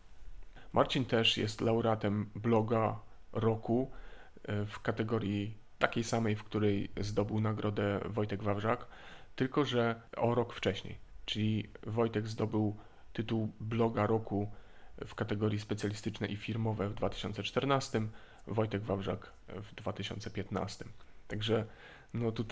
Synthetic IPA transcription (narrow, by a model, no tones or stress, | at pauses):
mʔaɾt͡ɕint̪ɛʂjɛ̰st̪lawɾat̪ɛmblɔɡaɾɔku | fkat̪ɛɡɔɾʲji | t̪akʲejsamɛjfkt̪uɾɛjzd̪ɔbɘwnaɡɾʔɔd̪ɛvɔjt̪ɛɡvavʐakt̪ɘlkɔʐɛɔɾɔkft͡ʂɛɕɲḛjt͡ʂɘlʲivɔjt̪ɛɡzd̪ɔbɘw | t̪ɘt̪uwblɔɡaɾɔkufkat̪ɛɡɔɾʲjispɛt̪sʲjalʲist̪ɘt͡ʂnɛʔifʲiɾmɔvɛvd̪vat̪ɘ̥ɕɔ̰nt̪sɛt͡ʂt̪ɛɾnast̪ɘm | vɔjt̪ɛɡvavʐa̰k | vd̪vat̪ɘɕɔ̰nt̪sɛpʲjɛt̪na̰st̪ɘmt̪aɡʐɛ | nɔt̪ut̪